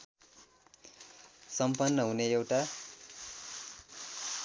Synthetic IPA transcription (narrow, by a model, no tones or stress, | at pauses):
sʌmpʌnːʌɦuneewʈa